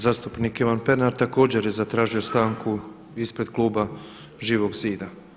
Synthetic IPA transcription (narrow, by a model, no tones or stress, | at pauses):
zaːst̪upnikiʋanpe̞naɾt̪ako̞ːd͡ʑeɾjezat̪ɾaːʒio̞st̪aːŋku | ispɾe̞d̪̥klˠuːba | ʒiːʋo̞ɡziːd̪a